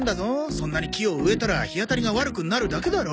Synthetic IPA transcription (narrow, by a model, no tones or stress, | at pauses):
nd̪azo̞sõ̞nːaɲ̟ikʲio̞ɯ̟e̞t̪aɾaçiat̪aɾʲiɡaβaɾɯ̟kɯ̟naɾɯ̟d̪ake̞d̪aɾo